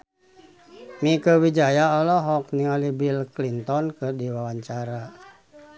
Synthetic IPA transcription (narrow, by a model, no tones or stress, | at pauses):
mikəwid͡ʒajaɔlɔɦɔk̚niŋalibilklint̪ɔnkɨrdiwawaɲt͡ʃaɾa